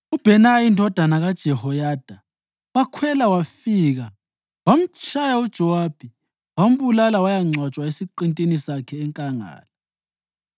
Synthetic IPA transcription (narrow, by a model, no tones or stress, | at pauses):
ub̥ʱɛnaindʱɔd̥ʱanaɣad̥ʒ̥ʱɛhɔjaːd̥ʱa | wakʰwɛlawafiːɣa | wam̩t͡ʃʼajaud̥ʒ̥ʱɔwaːb̥ʱi | wam̩βulalawajaŋ͡ǀʱwat͡ʃʼwaesiǃintʼinisakʰɛːŋkʼaŋa̰ːla